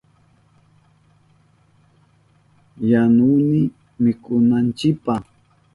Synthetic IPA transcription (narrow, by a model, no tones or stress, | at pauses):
januːmɪ | mɪkʊnant͡ʃɪk̚pa